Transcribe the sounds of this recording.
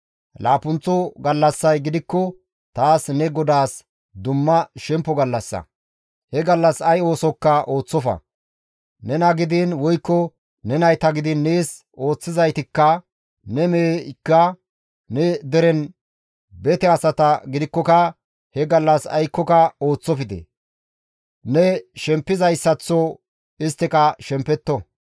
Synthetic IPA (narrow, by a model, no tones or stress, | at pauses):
laːpʊnt͡sːɔɡɐlːɐsːɐjɡɪd̪ɪkːɔ | t̪aːsnɛɡɔd̪aːs | d̪ʊmːɐʃɛmpːɔɡɐlːɐsːɐ̰ | hɛɡɐlːɐsɐjo̞ːsɔkːɐʔo̞ːt͡sːɔfɐ̰ | nɛnɐɡɪd̪ɪnwɔjkːɔ | nɛnɐjt̪ɐɡɪd̪ɪnːeːs | ʔo̞ːt͡sːɪzɐjt̪ɪkːɐ | nɛmeːkːɐ | nɛd̪ɛɾɛn | bɛt̪ɛɐsɐt̪ɐɡɪd̪ɪkːɔkɐ | hɛɡɐlːɐsɐ̰jkːɔkɐo̞ːt͡sːɔfɪd̪ḛ | nɛʃɛmpːɪzɐjsːɐt͡sːɔ | ɪst̪ːɪkɐʃɛmpːɛt̪ːɔ